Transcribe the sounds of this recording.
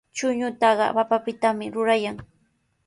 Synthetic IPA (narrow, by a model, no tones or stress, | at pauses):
t͡ʃʊɲʊt̪ɑɢɑ̰papapɪt̪amɪɾʊɾajaŋ